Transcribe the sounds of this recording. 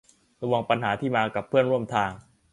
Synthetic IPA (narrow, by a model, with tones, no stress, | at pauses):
ɾa˧wa˧ŋpa˧nɦaː˩˦t̪ʰiː˥˩maː˧ka˨˩pʰːɯ˥˩ənɾu˥˩əmt̪ʰaː˧ŋ